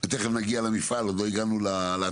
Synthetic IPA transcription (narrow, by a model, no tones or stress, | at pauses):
et̪eχemnaɡialemifalodlo̞iɡanulala